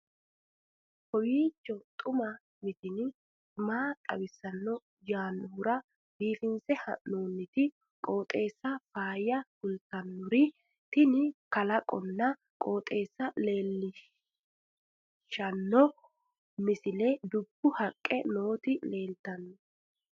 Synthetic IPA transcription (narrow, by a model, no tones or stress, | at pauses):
hɔwiːt͡ʃːɔt̪ʼʊmɐ | mɪt̪ɪn | maːkʼɐ̰wɪsːɐnːɔ | jaːnːʊʊɾɐ | biːfɪnt͡sɛhɐ̰noːnːɪt̪ɪ | kʼo̞ːt̪ʼe̞ːsːɐfaːjɐhʊlt̪ɐnːʊɾɪ | t̪ɪnɪkɐlɐkʼɔnːɐ | kʼo̞ːt̪ʼe̞ːsːɐle̞ːlːɪ | ʃɐnːɔ | mɪsɪlɛd̪ʊb̥ːʊhɐkʼːɛno̞ːt̪ɪle̞ːlt̪ɐnːɔ